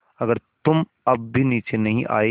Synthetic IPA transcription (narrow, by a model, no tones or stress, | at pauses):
ɐɡəɾt̪ʊm | ɐb̚ːʱiniːt͡ʃenɐɦĩʔa̰ːe